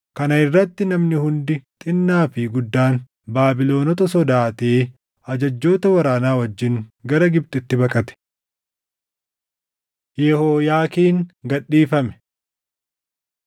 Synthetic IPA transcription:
kɐnɐɪrːɐt̪ːɪnɐmnɪhʊnd̪ɪt̪ʼɪnːaːfɪɡʊd̪ːaːn | baːbɪlo̞ːnɔt̪ɐsɔd̪aːt̪eː | ɐd͡ʒɐd͡ʒːo̞ːt̪ɐwɐɾaːnaːwɐd͡ʒːɪŋɡɐɾɐɡɪb̚t̪ʼʊɪt̪ːɪbɐkʼɐt̪ɛ̥ | jɛhoːjaːkiːŋɡɐɗːiːfɐmɛ̥

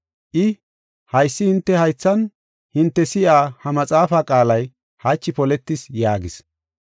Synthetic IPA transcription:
ʔɪ | hɐjsːɪhɪnt̪ːɛhɐjt͡sːɐn | hɪnt̪ːɛsɪʔaːhɐmɐt͡sʼaːfaːkʼaːlɐj | hɐt͡ʃːɪpɔlɛt̪ːɪsjaːɡɪs

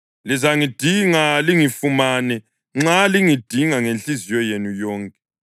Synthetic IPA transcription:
lizaŋid̥ʱiŋaliŋifumanɛ | ŋ͡ǁaliŋid̥ʱiŋaŋent͡ɬizijɔjenujɔːŋkʼɛ

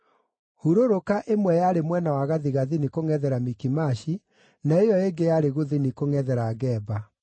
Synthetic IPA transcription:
huɾoɾokaʔemwɛjaɾemwɛnawaɣaðiɣaðinikoŋɛðɛɾamikimaɕi | naejɔeŋɡejaɾeɣoðinikoŋɛðɛɾaɣɛːba

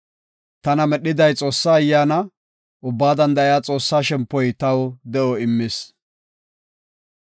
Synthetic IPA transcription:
t̪ɐnɐmɛɗːɪd̪ɐjt͡sʼo̞ːsːaːjːaːnɐ | ʔʊbːaːd̪ɐnd̪ɐɪjat͡sʼo̞ːsːaːʃɛmpːɔjt̪ɐwd̪ɛʔɔɪmːɪs

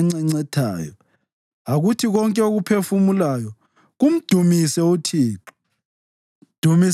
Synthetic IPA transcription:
ŋ͡ǀɛŋ͡ǀɛtʰa̰ːjɔ̰ | aɣutʰiɣɔŋkʼɛoɣupʰefumulajɔ | ɣum̩d̥ʱumisɛutʰiːǁu̥ | d̥ʱumi

